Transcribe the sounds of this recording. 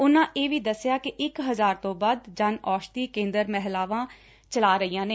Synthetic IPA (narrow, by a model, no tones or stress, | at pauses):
ʊnãːʔeːʋiːd̪əsːɪjaːkɪʔɪkɦəzaːɾt̪õːbəd̪d͡ʒənɔːʃt̪iːkẽːnd̪əɾmɛɦlaːʋãː | t͡ʃəlaːɾəiːãːneː